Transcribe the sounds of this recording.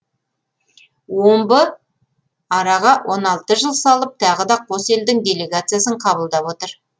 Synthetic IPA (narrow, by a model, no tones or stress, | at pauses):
wo̞mbə | ɑɾɑʁɑwʔo̞nɑlˠt̪əʒəlˠsɑlˠəp̚t̪ʰɑʁəd̪ɑqʰo̞se̞ld̪ɪŋd̪ʲe̞lʲe̞ɡat̪sɨjasəɴqʰɑβəlˠd̪ɑpwot̪əɾ